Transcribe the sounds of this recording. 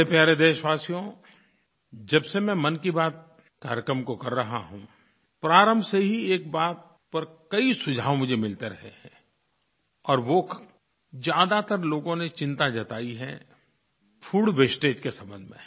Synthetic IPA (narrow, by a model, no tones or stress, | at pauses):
epjaːɾed̪eːʃʋaːsijõ | d͡ʒɐbsemɛ̃mɐnkibaːt̪̚ | kaːɾjəkɾəmkokɐɾːɐɦaɦũ | pɾaːɾə̃mbʱseɦieːk̚baːt̪̚ | pɐɾkɐisʊd͡ʒʱaːʋõmʊd͡ʒʱemɪlt̪eɾɐɦeɦɛ̃ | ɔːɾʋo | d͡ʒjaːd̪at̪əɾloːɡõnet͡ʃɪ̃nt̪ad͡ʒɐt̪aːiɦɛ̰̃ | fʰuːɽʋesʈeːd͡ʒkesɐ̃mbə̃nd̪ʱmḛ̃